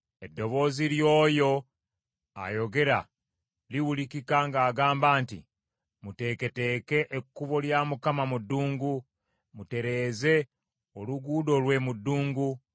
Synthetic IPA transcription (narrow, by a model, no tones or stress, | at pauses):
e̞dːo̞βo̞ːziljo̞ːjo̞ | a̰jo̞ɡe̞ɾa̰ | liwulikikaŋɡaːɡaːmbaːntḭ | mute̞ke̞te̞ːke̞ʔekːuβo̞ljamukamamudːuːŋɡu | mute̞ɾe̞ːze̞ | oluɡuːdo̞lwe̞mudːuːŋɡu